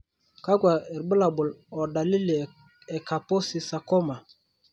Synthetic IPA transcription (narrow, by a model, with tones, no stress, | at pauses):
ka˦ɡwa˨ɛ˨ɾbə˦la˨bʊ˨lɔ˨da˨li˦li˨ | ɛ˨ka˨po˦si˨sa˨kɔ˦ma˨